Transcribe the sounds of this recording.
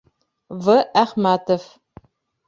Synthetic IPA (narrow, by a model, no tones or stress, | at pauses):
vɐaχmaːtʰɐf